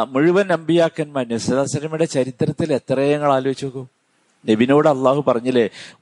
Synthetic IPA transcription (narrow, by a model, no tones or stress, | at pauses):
muɻuʋɐnɐmbijaːkːɐnmɐnusɐðaːsɐɾɐmiɽe̞t͡ɕɐɾit̪rɐt̪ːile̞t̪rɐjɐŋːɐɭaːloːit͡ɕːoɣo | nebino̞ːɽɨɐlːaːhupɐrɐɲːɐle